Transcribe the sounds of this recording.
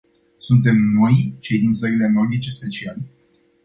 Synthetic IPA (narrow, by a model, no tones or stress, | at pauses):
sunt̪̬e̞mno̞jt͡ʃe̞jd̪int̪səɾileno̞rd̪it͡ʃe̞spe̞t͡ʃiale